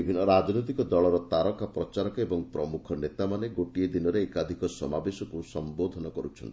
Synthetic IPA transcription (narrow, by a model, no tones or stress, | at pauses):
ibʱinːɔɾad͡ʒnot̪̬ikɔd̪ɔɭɔɾɔt̪aɾɔkapɾɔt͡ʃaɾɔkebɔŋpɾɔmukʰɔnet̪amaneɡoʈied̪inɔɾeːkad̪ʱikɔsɔmabesɔkusɔmbod̪ʱɔnɔkɔɾut͡ʃʰɔ̰nt̪i